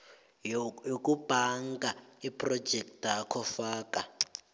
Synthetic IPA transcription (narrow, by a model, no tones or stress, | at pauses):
jokʼub̥ʱaŋɡaipʰʼrɔd̥ʒ̥ʱɛk̚takʰɔfaːkʼa